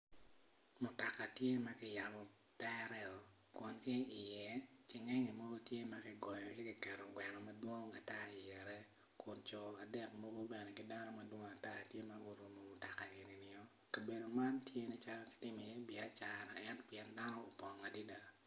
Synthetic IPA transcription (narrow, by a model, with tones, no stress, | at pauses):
mʊ˨ta˨ka˨tje˦ma˦kɪ˦ja˨mɔ˨ | tɛ˦a˦ɾɛ˦ɔ˨ | kʊ˨nki˦ɪ˨jɛ˦t͡ʃɪ˦ŋɛ˦ŋi˨mo˦ɡo˦tje˦ma˦kɪ˦ɡɔ˨jɔ˨lɛ˦ki˨kɛ˨ɾo˨ɡwɛ˨nɔ˨ma˦dwo˦ŋa˨ta˦i˨jɛ˨ɾɛ˦ | kʊ˨nt͡ʃɔ˨a˨dɛ˦k̚mo˦ɡo˦bɛ˨nɛ˨kɪ˨da˦nɔ˦ma˦dwo˦ŋa˨ta˦tje˦ma˦ɡo˨ɾu˨mo˨mʊ˨ta˨ka˨e˨ni˨nɪ˨ɔ˦ | ka˨be˨do˨ma˦ntje˦ni˦t͡ʃa˦lɔ˦kɪ̥˨tɪ˦me˨jɛ˦bɪ˨a˦t͡ʃa˨na˨ɛ˦npjɛ˦nda˦nɔ˦o˨pɔ˨ŋa˨di˦da˨